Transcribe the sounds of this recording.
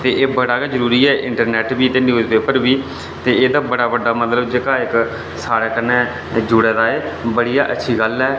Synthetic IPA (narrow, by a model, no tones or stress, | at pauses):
t̪eːʔːbəɽaːkad͡ʒəɾuːɾiːɛːʔɪ̃ɳʈəɾnɛːʈbiːt̪eːnjuːzbeːpəɾbiː | t̪eːeːd̪aːbəɽaːbəɖːaːmət̪ləbd͡ʒeːkaːɪk | saːɽeːkənːẽː | d͡ʒʊɽɛːd̪aːeːbəɽijaːʔə̰tːʃʰiːɡəlɛː